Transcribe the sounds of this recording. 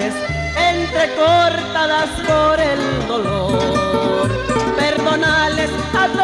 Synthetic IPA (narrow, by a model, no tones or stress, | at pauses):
es | ent̪ɾekoːɾt̪aðaskoɾeld̪olo | ɾpeɾd̪onaːles | að